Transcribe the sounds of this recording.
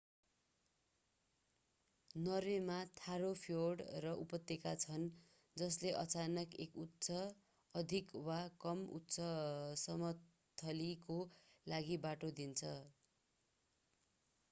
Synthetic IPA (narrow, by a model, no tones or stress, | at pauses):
nʌɾemat̪ʰaɾopʰioɽrʌʔupʌt̪ːekat͡sʰʌn | d͡zʌsleʔʌt͡sanʌkekut̪ːsʌ | ʌd̪ʱikwakʌmṵtːsʰʌsʌmʌt̪ʰː | ʌlikolaɡibaʈod̪int͡sʰʌ